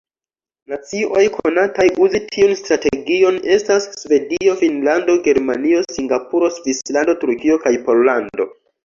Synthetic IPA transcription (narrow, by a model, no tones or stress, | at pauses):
nat͡sio̞jkʰonatajʔuzitʰiunstɾate̞ɡio̞ne̞stasːve̞dio̞finlando̞ɡe̞ɾmanio̞siŋɡapuɾo̞svislando̞tuɾkio̞kajpo̞llando̞̰